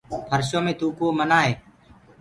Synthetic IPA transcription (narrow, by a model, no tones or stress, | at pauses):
pʰəɾʃoːmẽːt̪uːkoːmənaːɦeː